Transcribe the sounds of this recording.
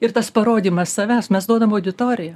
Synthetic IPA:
ɪrt̪ɐspɐɾoːd̪ʲiːmɐssɐʋʲɛʊsmʲɛsd̪uɔd̪ɐmɐʊd̪ʲɪt̪oːɾʲɪjɛ

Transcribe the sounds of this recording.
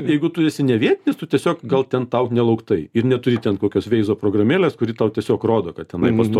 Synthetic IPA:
jɛɪɡʊt̪ʊɪsʲɪnʲɛʋʲiɛt̪ʲɪnʲɪst̪ʊt̪ʲiɛsʲoːkɡɐlˠt̪ʲɛnt̪ɐʊknʲɛlˠɐʊkt̪ɐɪɪɾnʲɛt̪ʊɾʲɪt̪ʲɛnkoːkʲoːsʋʲɛɪzoːpɾoːɡrɐmʲeːlʲeːskʊɾʲɪt̪ɐʊt̪ʲiɛsʲoːkroːd̪oːkɐt̪tʲɛnɐɪpɐst̪oː

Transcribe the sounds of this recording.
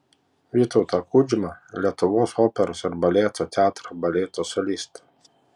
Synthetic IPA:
ʋʲiːt̪ɔʊt̪ɐkʰuːd͡ʒʲɪmɐlʲiɛt̪ʊʋoːsoːpʲɛɾoːsɪɾbɐlʲeːt̪oːt̪ʲæːt̪ɾɐbɐlʲeːt̪osɔlʲiːst̪

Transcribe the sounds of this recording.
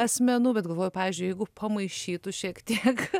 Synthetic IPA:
ɛsmʲɛnʊbʲɛt̪̚ɡɐlˠʋoːjʊpɑːʋʲɪːzʲd͡ʒʲʊjɛɪɡʊpʰɐmɐɪʃʲiːt̪ʊʃʲiːkt̪ʲiɛk

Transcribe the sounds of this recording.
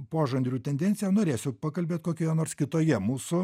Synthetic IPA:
poːʒɐnd̪ʲɾʲuːt̪ʲɛnʲd̪ʲɛnʲtsʲɪjɛnoːɾʲeːsʲʊpɑkɐlʲbʲeːt̪ʲkoːkʲoːjɛnoːrskʲɪt̪oːjɛmuːsʊ

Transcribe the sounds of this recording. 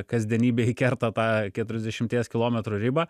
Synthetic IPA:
kɐzʲd̪ʲiɛnʲiːbʲeːikʲɛɾt̪ɐt̪ɑːkʲɛt̪ʊɾʲɛzd̪ʲɛʃʲɪmt̪ʲiɛskʲɪlˠoːmʲɛt̪ɾuːɾʲɪbɐː

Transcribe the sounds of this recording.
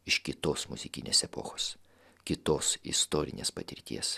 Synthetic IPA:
ɪʃkʲɪt̪oːsmʊzʲɪkʲɪnʲeːsɛpo̰ːxoːs | kʲɪt̪oːsɪ̰st̪oːɾʲɪ̰nʲḛːspɐt̪ʲɪɾʲt̪ʲḭɛs

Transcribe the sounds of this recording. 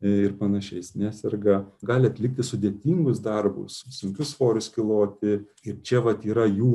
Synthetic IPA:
ɪɾpɐnɐʃʲɛɪsnʲæːsʲɛrɡɐɡɑːlʲɪɐt̪ʲlʲɪk̚t̪ʲɪsʊd̪ʲeɛt̪ʲiːŋɡʊsd̪ɐrbʊ̰ssʊŋʲkʲʊsfoːɾʲʊskʲɪlˠoːt̪ʲɪ | ɪɾt͡ʃʲɛʋɐt̪iːɾɐjuː

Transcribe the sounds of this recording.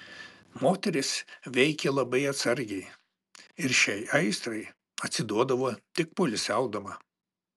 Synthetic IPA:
moːt̪ʲɛɾʲɪsʋʲɛɪkʲɛlˠɐbɐɪɐt̪sɐɾʲɡʲɛɪ | ɪɾʃʲɛɪɐɪst̪ɾɐɪ | ɐt̪ʲsʲɪd̪uɔd̪ɐʋoːt̪ʲɪk̚pʊlʲɪsʲɛʊd̪ɐmɐ

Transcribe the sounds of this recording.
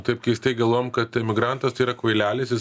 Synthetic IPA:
t̪ɐɪp̚kɐɪɪst̪ɐɪɡɐlˠʋoːjɛmkɐt̪ɪmʲɪɡɾɐnt̪ɐst̪ɐɪiːɾɐkʋɐɪlʲæːlʲesjɪs

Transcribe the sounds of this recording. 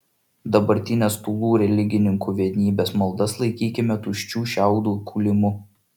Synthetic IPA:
d̪ɐbɐɾʲt̪ʲɪnʲest̪uːlˠuːɾʲɛlʲɪɡʲɪnʲɪŋkuːʋʲiɛnʲiːbʲeːsmɐlˠd̪ɐslˠɐɪkʲiːkʲɪmʲɛt̪uːʃʲt͡ʃʲuːʃʲæˑʊd̪uːkʰuːlʲɪmʊ

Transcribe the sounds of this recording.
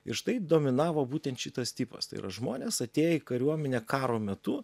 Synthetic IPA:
ɪ̰ɾʃt̪ɐɪd̪oːmʲɪnɑːʋoːbuːt̪ʲɛnt̪ʃʲɪt̪ɐst̪ʲiːpɐ̰st̪ɐ̰ɪ̰ɾɐ̰ʒmoːnʲeːsɐt̪ʲeːjɛikɐɾʲuɔmʲɛnʲeːkɑːɾoːmʲɛt̪ʊ

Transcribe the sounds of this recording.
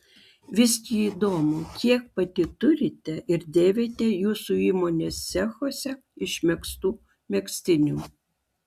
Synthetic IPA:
ʋʲɪsʲkʲiiːd̪oːmʊkʲiɛk̚pɐt̪ʲɪt̪ʊɾʲɪt̪ʲɛʔɪɾd̪ʲeːʋʲet̪ʲɛjuːsuiːmonʲeːsːʲɛxoːsʲɛ | ɪʃʲmʲɛkst̪uː | mʲɛksʲt̪ʲɪnʲuː

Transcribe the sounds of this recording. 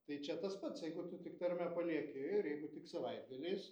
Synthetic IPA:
t̪ɐɪt͡ʃʲɛt̪ɐspɐt̪sjɛɪɡʊt̪ʊt̪ʲɪkt̪ɐɾʲmʲɛpɐlʲiɛkʲɪɪɾjɛɪɡʊt̪ʲɪksɐʋɐɪd̪̚ɡɐlʲeːs

